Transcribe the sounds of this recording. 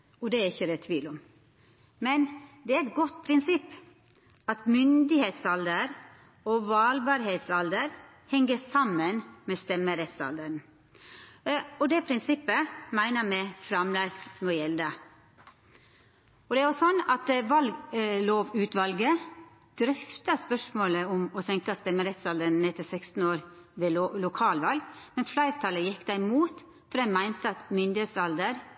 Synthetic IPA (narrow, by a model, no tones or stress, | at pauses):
ɔd̪ɛːæɾɪçːəd̪ɛt̪ʰʋiːlʊm | mɛnd̪ɛːæɾɛt̪̚ɡɔt̪ːpʰɾɪnsɪpː | ɑt̪mʏnd̪ɪheːt̪sɑld̪əɾ | oʋɑːlbɑːɾheːt̪sɑld̪əɾ | hɛŋɡəsɑmːənmeːst̪ɛmːəɾɛt̪sɑ̰ld̪əɳ | ɔd̪eːpʰɾɪnsɪpːəmæɪnəmɛfɾɑmlæɪsnɔjɛld̪ə | ɔd̪ɛæɾɔsɔnːɑt̪ʋɑlɡloːʋʉːt̪ʋɑlɡə | d̪̥ɾʏft̪ɑspœʂmoːləʊmɔsɛŋkɑst̪ɛmːəɾɛt̪sɑld̪ən̩ːɛt̪əsɛkst̪n̩oːɾʋelʊkʰɑːlʋɑlɡmɛnflæɪɾt̪ʰɑləjɪkːd̪æɪmuːt̪ | fɔd̪ɛnmæɪnt̪əɑt̪mʏnd̪ɪheːt̪sɑld̪əɾ